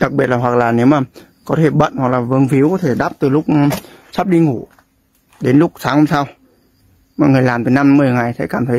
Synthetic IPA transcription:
ɗa˨˩k̚ɓi˨ət̪̚laː˨˩ɦwa˨˩k̚laː˨˩ne˨˦wmaː˨˩ | kɔ˨˦t̪ʰe˧˩ɓə̰˧˨nhwa˨˩k̚laː˨˩vɨ˧˦ŋfi˨˦wkɔ˨˦t̪ʰe˧˩ɗaː˦˥p̚t̪ɨ˨˩lʊ˦˥k͡p̚ | sa˦˥p̚ɗi˧ŋu˧˩ | ɗe˨˦nlʊ˦˥k̚saː˨˦ŋho˧˩msa˧w | maː˨˩ŋɨ˨˩əjlaː˨˩mt̪i˨˩na˧mːɨ˨˩əjŋa˨˩jsʰɛ˧˦jkaː˧˩mt̪ʰə˨˦j

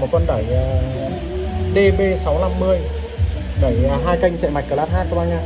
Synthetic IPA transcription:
mo˨˩t̚fə˧nɗə˧˩j | ɗe˧ɓe˧sa˨˦wna˧mːɨ˧əj | ɗə˧˩jɦaː˧jka˧jŋ̟t͡ɕɛ̰˧˨jma˨˩jk̚kəː˨˧˩laː˦˥t̚haː˦˥ɔ˧ŋ͡mʔa˧j̟aː˧˩

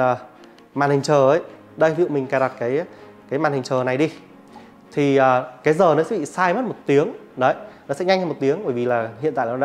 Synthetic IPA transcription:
əː˨˩ | maː˨˩nhï˨˩ŋ̟t͡ɕəː˨˩ʔə˨˦j | ɗə˧jvḭ˧˨wmï˨˩ŋ̟kaː˨˧˩ɗa˨˩t̚kaː˨˦j | kaː˨˦jmaː˨˩nhï˨˩ŋt͡ɕəː˨˩na˨˩jɗi˧ | t̪ʰi˨˩əː˨˩kaː˨˦jzəː˨˩nɔ˨˦sɛ̰˧˥ɓḭ˧˨saː˧jmə˦˥t̚mo˨˩t̚t̪i˨˦əŋ | ɗə˨˦jnɔ˨˦sɛ̰˧˥ɲa˧jŋ̟ʰa˧mo˨˩t̪i˨˦əŋɓəː˧˩jvi˨˩laː˨˩ɦḭ˧˨nt̪a̰ː˧˨˦

